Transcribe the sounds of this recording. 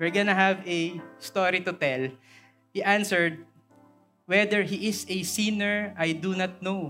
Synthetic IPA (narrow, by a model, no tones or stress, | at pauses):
wɛɹɡɔnɐɦɐvɛst̪oɹit̪ʊt̪ɛl | hiʔansɛɹd̪̚ | wɛd̪ɛɹɦiʔɪsɛsĩnɛɹʔajd̪unɐt̪̚now